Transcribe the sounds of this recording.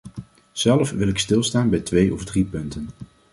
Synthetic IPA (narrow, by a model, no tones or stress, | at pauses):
z̥ɛləfʋɪlɪkstɪlˠstaːnbɛjtʋejʔɔvdripɵntən